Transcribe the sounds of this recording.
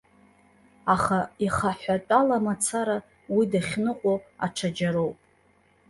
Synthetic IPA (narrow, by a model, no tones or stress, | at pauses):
aχaiχaħʷᶣatʼalamat͡sʰaɾa | widaχʲnɨqʼoaʈ͡ʂʰad͡ʒaɾo̞wpʼ